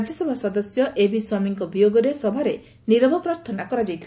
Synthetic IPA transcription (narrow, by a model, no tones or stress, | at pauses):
d͡ʒjɔsɔbʱasɔd̪ɔsjɔʔebʱiswamiŋkɔbijoɡɔɾesɔbʱaɾe | niɾɔbʱɔpɾaɾt̪ʰɔnakɔɾad͡ʒajt̪ʰ